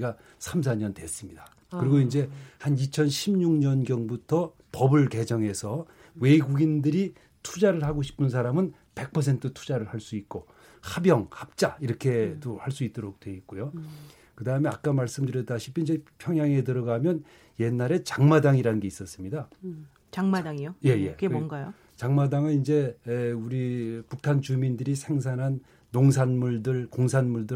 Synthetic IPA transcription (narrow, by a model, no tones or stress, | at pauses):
ɡa | sʰamsʰaɲʌndwe̞s͈ɯmɲida | kɯɾiɡoind͡ʑe̞hanit͡ɕʰʌnɕʰimɲuŋɲʌnɡjʌŋbutʰʌ | pʌbɯɭke̞d͡ʑʌŋe̞sʰʌ | we̞ɡuɡindɯɾi | tʰud͡ʑaɾɯɭhaɡoɕʰi̥pʰɯns̬ʰaɾamɯn | pe̞k̚pʰʌsʰe̞ntʰɯtʰu̥d͡ʑaɾɯɭhaɭs͈uit̚k͈o | habjʌŋhap̚t͡ɕ͈aiɾʌkʰe̞dohaɭs͈uit͈̚oɾok̚t͈we̞it̚k͈ojo | kɯdaɦɯme̞ak͈amaɭs͈ɯmdɯɾjʌdaɕʰi̥pʰiind͡ʑepʰjʌŋɦjaŋe̞tɯɾʌɡamjʌn | je̞nːaɾe̞t͡ɕaŋmadaŋiɾanɡe̞is͈ʌs͈ɯmɲida | t͡ɕaŋmdaŋioje̞je̞nɡajo | t͡ɕaŋmadaŋɯnind͡ʑe̞uɾipukʰant͡ɕumindɯɾisʰe̞ŋs̬ʰanɦanː | oŋsʰanmuɭdɯɭkoŋsʰanmuɭdɯ